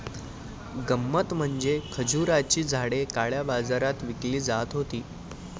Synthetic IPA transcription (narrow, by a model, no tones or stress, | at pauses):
ɡəmːət̪m̤əɳd͡zekʰəd͡ʑuɾat͡ɕiːd͡zʱaɽekaɭjabad͡zaɾat̪ʋikliːd͡zat̪ɦot̪iː